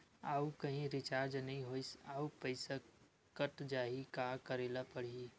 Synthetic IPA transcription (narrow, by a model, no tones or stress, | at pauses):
aːukɐɦĩɾɪt͡ʃaːɾd͡ʒnɐɦĩɦoːɪsaːupəɪsa | kəʈd͡ʒaːɦikakəɾeːlapəɽ̤i